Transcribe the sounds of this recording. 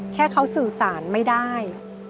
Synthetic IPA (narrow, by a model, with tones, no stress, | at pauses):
kʰɛː˥˩kʰa˦˥wsɯː˨˩saː˩˦nma˥˩jdaː˥˩j